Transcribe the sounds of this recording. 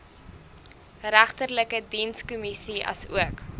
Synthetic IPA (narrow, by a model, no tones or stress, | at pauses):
ɾæχtərləkədinskumisiɐ̰sṵək